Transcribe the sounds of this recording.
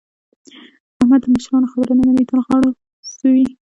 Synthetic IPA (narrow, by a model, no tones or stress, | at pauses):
ahmad̪ːəməʃɾɑnoxabəɾananamit̪əlɣɑɽo | suwi